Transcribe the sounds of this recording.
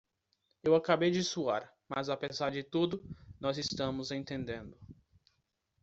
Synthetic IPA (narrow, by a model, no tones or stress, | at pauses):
ewakabejd͡ʒɪsuaɾ | mazapezaɾd͡ʒɪt̪ud̪ʊnɔzɪst̪ɐ̃mʊzẽnt̪ẽnd̪ẽnd̪ʊ